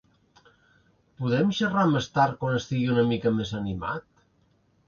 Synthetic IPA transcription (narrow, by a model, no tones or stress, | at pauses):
puðɛmʃəramest̪aɾ̚kwanəst̪iɣiunəmikəmezənima̰t̪